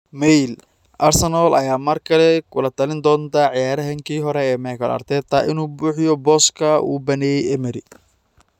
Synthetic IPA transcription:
mɛjl | ʔɐrsɛnɔlʔɐjaːmɐrkʰɐlɛkʰʊlɐt̪ʰɐlɪnd̪ɔːnt̪ʰɐʕɪjaːɾɐɦɐŋkʰiːɦɔɾɛɛːmɛːkʰɐlɐ̰rt̪ʰɛːt̪ʰːɐʔɪnuːbuːħjɔbɔːskʰɐṵːbɐnɛjɛjɛmɛɾɪ

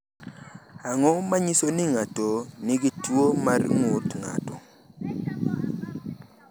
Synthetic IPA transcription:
aŋɔmaɲisonɪŋatonɪɡitwomarŋotŋa̰tɔ

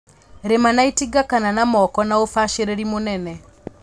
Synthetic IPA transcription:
ɾemanaitiɡakananamɔkɔnaofaʃeɾeɾimonɛnɛ

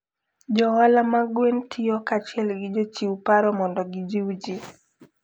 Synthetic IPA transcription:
d͡ʒɔwalamaɡwentʰɪjɔkat͡ʃɪɛlɡɪd͡ʒot͡ʃiwpaɾɔmɔndɔɡɪd͡ʒiwd͡ʒi

